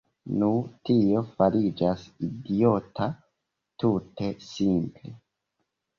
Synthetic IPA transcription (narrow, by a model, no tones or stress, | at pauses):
nutio̞faɾid͡ʒasidio̞tʰa | tute̞simple